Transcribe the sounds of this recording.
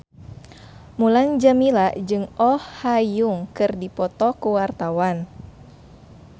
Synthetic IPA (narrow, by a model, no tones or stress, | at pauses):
mulaŋd͡ʒamilaʔd͡ʒɨŋɔhːajuŋkɨrdipɔt̪ɔkuwart̪awan